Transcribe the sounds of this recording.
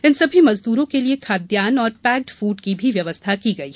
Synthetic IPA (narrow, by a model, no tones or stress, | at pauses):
ɪnsɐbʱimɐzd̪uːɾõkeliekʰaːd̪jaːnɔːɾpɛːk̚ʈfuːɖkibʱiʋjɐʋəst̪ʰakiɡɐiːɛ